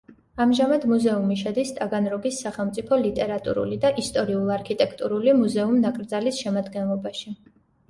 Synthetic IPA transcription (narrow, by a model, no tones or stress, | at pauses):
amʒamad̪muzɛumiʃɛd̪ist̪ʼaɡanɾɔɡisːaχɛlˠmt̪sʼipʰɔlit̪ʼɛɾat̪ʼṵɾṵlid̪aʔist̪ʼɔɾiulˠaɾkʰit̪ʼɛkʰt̪ʼuɾulimuzɛumnakʼɾd̪zalisʃɛmad̪ɡɛnlˠɔbaʃi